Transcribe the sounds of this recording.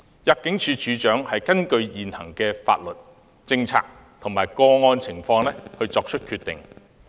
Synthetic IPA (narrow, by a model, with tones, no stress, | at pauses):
jɐ˨p̚kɪ˨˥ŋt͡ʃʰyː˨˧t͡ʃʰyː˨˧t͡ʃœː˨˥ŋhɐ˨jkɐ˥nkɵ˧ɥjiː˨nhɐ˨˩ŋkɛː˧fa̰ː˧t̚lɵ˨t̚ | t͡sɪ˧ŋt͡sʰa̰ː˧k̚ | t̪ʰʊ˨˩ŋmaː˨˩jkɔː˧ŋɔː˧nt͡sʰɪ˨˩ŋfɔː˧ŋlɛ˥hɵ˧ɥt͡sɔː˧k̚t͡ʃʰɵ˥t̚kʰyː˧t̪ːɪ̰˨ŋ